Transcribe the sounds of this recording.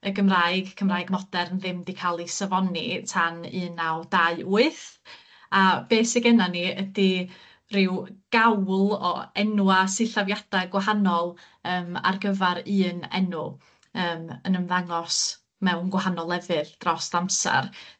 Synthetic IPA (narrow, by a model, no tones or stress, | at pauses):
əɡəmraːɨɡkʰəmraːjɡmɔd̥ɛɾənðɪmdikʰalˠisavɔnitʰanɨːnːawd̥aɨuɨθ | ab̥eːsɪɡɛnaniədi | rɪwɡ̥awlˠɔ̰ɛnuasɨɬavjad̥aɡwaɦanɔlˠ | əːma̰rɡəvaɾɨːnɛ̰nʊ | əːmənəmðaŋɔs | mɛwnɡwahanɔlˠɛvɨðd̥rɔsd̥amsa̰r